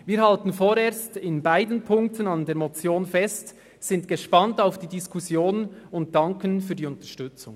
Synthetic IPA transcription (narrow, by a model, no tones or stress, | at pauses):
viːɾhaltən̩foːɾeːɐstɪnbaɪdənpʰʊŋk̚tənandeːɐmɔt͡sjoːnfɛst | z̥ɪntɡ̥eʃpɑntaʊfd̥iːdiskʰusjoːnʊnt̚d̥ɑŋkənfyːdiːʊntəʃtʏt͡sʊŋ